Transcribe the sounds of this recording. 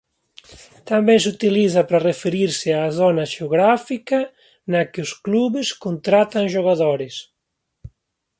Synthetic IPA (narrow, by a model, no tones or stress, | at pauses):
t̪ambejs̬ut̪iliθapɾarefeɾiɾsɪaːzɔnaʒeoɣɾafika | nakeoskluβeskont̪ɾat̪aŋʒoɣaðoɾes